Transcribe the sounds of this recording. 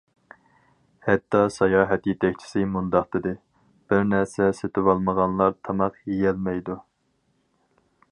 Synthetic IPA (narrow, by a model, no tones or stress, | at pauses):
hɛt̪ːɑsɑjɑːɦɛt̪jet̪ʰɛk̚ʲt͡ʃʰɪ̥sɪmund̪ɑχt̪ɨd̪ɪ | b̥ɪɾnæɾsɛset̪ʰɪwɑlˠməʁɑnlˠɑɾt̪ʰɑmɑqjejɛlmɛjd̪u